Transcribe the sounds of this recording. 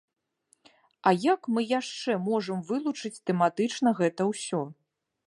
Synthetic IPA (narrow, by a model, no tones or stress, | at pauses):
ɐjakmɨjaʂt͡ʂɛmɔʐɐmvɨlˠut͡ʂɨt͡sʲt̪ɛmat̪ɨt͡ʂnɐɣɛt̪ɐwsʲɔ